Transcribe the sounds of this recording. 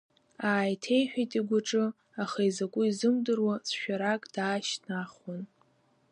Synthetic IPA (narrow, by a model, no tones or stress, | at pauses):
aːjtʰe̞jħᶣajtʼiɡʷʊʈ͡ʂʼɨ | aχaizakʷʼʊizɨmdɨrwasʃᶣaɾakʼd̥aːʃnaχwan